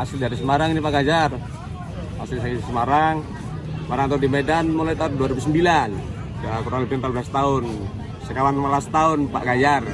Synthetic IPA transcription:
asildaɾisəmaɾaŋinipaɡad͡ʒar | asilsakisəmaɾaŋ | smaɾaŋt̪adimɛdanmɔlait̪aduaɾibusəmbilan | d͡ʒakuɾaŋlɛpanpabəlast̪aʊn | səkawanmabast̪aʊnpa̰ʔɡad͡ʒar

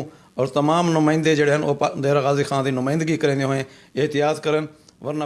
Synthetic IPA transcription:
ɔːɾt̪əmaːmnʊmaːɪ̃nd̪eːd͡ʒeːɽeːɦənoːpd̪eːɾaɣaːziːkʰãːd̪iːnʊmaːɪ̃nd̪əɡiːkəɾẽːd̪ɦoːẽːɪɦt̪ɪjaːt̪kəɾənʋəɾna

